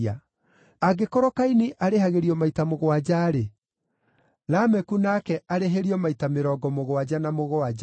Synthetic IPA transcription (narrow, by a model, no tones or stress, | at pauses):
a | aɡekoɾɔkainiʔaɾehaɣeɾiɔmaitamoɣowad͡ʑaːɾe | ɾamɛkunakɛʔaɾeɦeɾiɔmaitameɾɔːɡɔmoɣowad͡ʑanamoɣoad͡ʒa